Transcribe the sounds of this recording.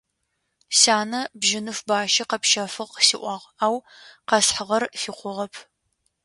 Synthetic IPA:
saːnɐbʒɪnɨfbaːʃɐqɐpʃɐfɨʁqsiʔʷɑʁaːwqɐsħəʁɐrfiːqʷʊʁɐpʰ

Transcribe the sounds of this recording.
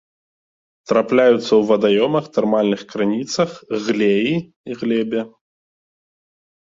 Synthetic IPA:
t̪ɾaplʲajut̪sːɐwvɐd̪ajɔmɐxt̪armalʲnɨxkɾanʲit̪sɐxɣlʲeji | iɣlʲɛbʲɛ

